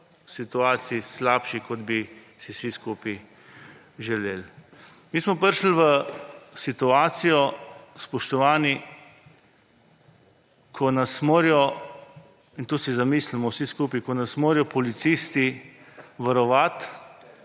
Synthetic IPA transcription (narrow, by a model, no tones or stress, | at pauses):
sit̪uaːt̪siislaːpʃikɔd̪bi | siwsiskuːpi | ʒɛleːl | miːsmɔpəɾʃl̩ʋəsit̪uaːt̪sijɔspɔʃt̪ɔʋaːni | kʰɔnasmoːɾjɔ | int̪uːsizamislimɔwsiskuːpikɔnasmoːɾjɔpɔlit̪sist̪i | ʋaɾɔʋat̪